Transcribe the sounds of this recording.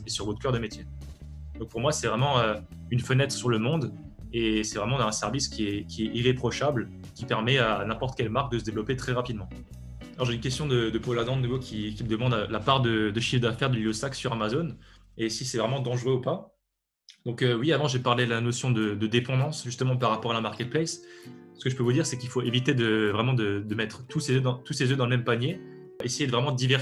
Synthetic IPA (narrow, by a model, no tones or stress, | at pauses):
esyʁvɔt̪χkœʁd̪əmet̪jed̪̥ɔ̃k̚puʁmwasɛvʁɛmɑ̃ø | ynfənɛt̪χəsyʁləmɔ̃d̪ | esɛvʁɛmɑ̃ɛ̃sɛʁviskʲiɛkʲiɛiʁepχɔʃabl | kʲipɛʁmɛanɛ̃pɔʁt̪kʲɛlmaʁk̚d̪əs̬əd̪evlɔpet̪χɛʁapid̪mɑ̃ | lɔʁʒeynkʲɛst̪jɔ̃d̪əd̪əpɔlad̪ɑ̃d̪ənuvokʲikʲiməd̪əmɑ̃d̪lapaʁd̪əd̪əʃifd̪afɛʁd̪əlilosaksyʁamazon | esisɛvʁɛmɑ̃d̪ɑ̃ʒʁøupa | d̪ɔ̃køwiavɑ̃ʒepaʁled̪əlanosjɔ̃d̪əd̪əd̪epɑ̃d̪ɑ̃sʒyst̪əmɑ̃paʁːapɔʁalamaʁkʲɛt̪̚plɛssə̥kəʒəpøvud̪iʁsɛkilfoevit̪ed̪əvʁɛmɑ̃d̪əd̪əmɛt̪χt̪usezød̪ɑ̃t̪usezød̪ɑ̃ləmɛmpanje | ʔesejed̪əvʁɛmɑ̃d̪əd̪ivɛ